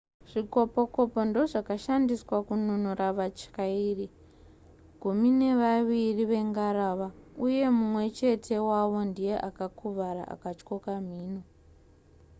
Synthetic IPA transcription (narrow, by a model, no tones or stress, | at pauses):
ʐ̥iko̞po̞ko̞po̞ndo̞ʐakaʃandiswakununuraʋat͡ʃkairi | ɡ̥ʱumine̞ʋaʋiriʋe̞ŋɡaɾaʋauje̞mumwe̞t͡ʃe̞tʰe̞waʋo̞ndije̞ʔakakʰuʋaɾa̰ʔa̰kat͡ʃko̞kam̤iːno